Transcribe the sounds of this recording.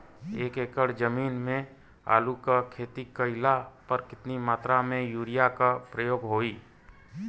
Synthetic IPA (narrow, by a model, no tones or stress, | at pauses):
eːkeːkəɽd͡ʒəmiːnmẽ | a̰ːlukakʰeːt̪ikəɪlapəɾkɪt̪nimaːt̪ɾamẽjuːɾɪjakapɾəjoːɡɦoːiː